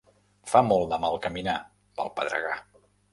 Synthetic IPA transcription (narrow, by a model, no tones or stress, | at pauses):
famɔlˠd̪əmalˠkəmina | pə̰lˠpəðɾə̰ɣa